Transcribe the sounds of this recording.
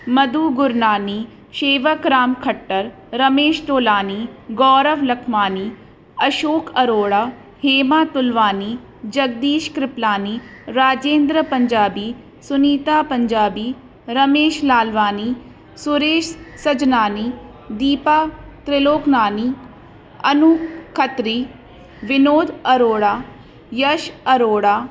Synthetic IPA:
mɐd̪uːɡʊɾnaːniː | ʃeːʋəkɾaːmkʰɐʈːəɾ | ɾɐmeːʃʈ̪oːlaːniːɡɔːɾəʋlɐkʰmaːniː | ɐʃoːkʰɐɾoːɽaː | heːmaːt̪ʊlʋaːniː | d͡ʒɐɡ̚d̪iːʃkɾɪplaːniːɾaːd͡ʒeːnd̪ɾəpɐɲd͡ʒaːbiː | sʊniːt̪aːpəɲd͡ʒaːbiː | ɾəmeːʃlaːlʋaːniː | sʊɾeːʃsəd͡ʒnaːniː | d̪iːpaːt̪ɾɪloːknaːniː | ənʊkʰət̪ɾiː | ʋɪnoːd̪əɾoːɽaː | jəʃəɾoːɽaː

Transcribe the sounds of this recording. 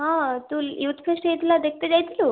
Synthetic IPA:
ɦãt̪uːljut̪fʰeʂʈəjet̪lad̪ek̚ʰt̪əd͡ʑajt̪ilo

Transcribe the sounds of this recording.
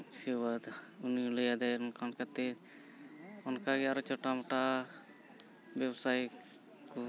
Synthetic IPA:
t͡ʃewad̪unɔləjad̪ajɔnkankat̪ɛ | ɔnkaɡɛaɾɔt͡ʃɔʈamɔʈa | bɛbsaj | kɔ

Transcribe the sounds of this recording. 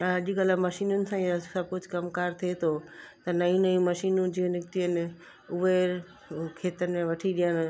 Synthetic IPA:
ɐʄiɡəlamɐʃiːnʊnɪ̆sãsɐb̚ʱkʊd͡ʑʱkɐmkaːɾt̪ʰiet̪ʰot̪ɐnɐũnɐjũmɐʃiːnũd͡ʑiːə̃nɪkʈ̪iənɪ | ʊʋe | kʰeːt̪ən̆mẽʋɐʈʰiɗijəɽ̃

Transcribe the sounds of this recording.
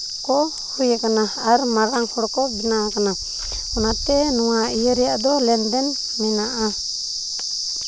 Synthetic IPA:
kɔ | hujakanaːɾmaɾaŋhɔɽkɔbɛnakana | ɔnat̪ɛnɔwaijəɾɛjaʔd̪ɔlɛnd̪ɛn | mɛnaʔa

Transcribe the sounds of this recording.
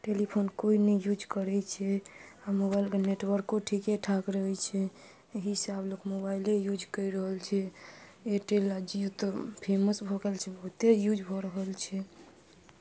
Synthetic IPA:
ʈelipʰonkoinɛjud͡ʒkəɾɛt͡ʃʰɛamoβailkeneʈwəɾkːoʈʰikeʈʰakɾəɦɛt͡ʃʰɛ | eɦisablokmobailejud͡ʒkəiɾəɦəlt͡ʃʰɛeʈelad͡ʒiut̪ɔpʰeməsbʱɔɡelt͡ʃʰɛbəɦut̪ejud͡ʒʱbʱɔɾəɦəlt͡ʃʰɛ

